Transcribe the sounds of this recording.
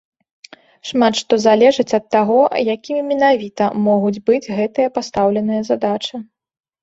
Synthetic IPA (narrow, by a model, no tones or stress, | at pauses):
ʂmat̪ʂt̪ɔzalʲɛʐɨt͡sʲɐt̪ːaɣɔjakʲimʲimʲɛnavʲit̪ɐmɔɣud͡zʲbɨd͡zʲɣɛt̪ɨjɐpast̪awlʲɛnɨjɐzad̪at͡ʂɨ